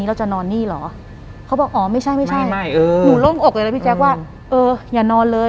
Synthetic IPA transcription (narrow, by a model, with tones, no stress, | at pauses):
i˦˥ɾa˧wt͡ɕa˨˩nɔː˧nːiː˥˩lɔ̰ː˩˦ | kʰa˦˥bɔː˨˩k̚ʔɔː˩˦ma˥˩jt͡ɕʰa˥˩jma˥˩jt͡ɕʰa˥˩jːjuː˨˩˦lo˥˩ŋʔo˨˩k̚a˧lpʰi˥˩t͡ɕɛː˦˥kwaː˥˩ | ʔɤː˧jaː˨˩nɔː˧nlɤː˧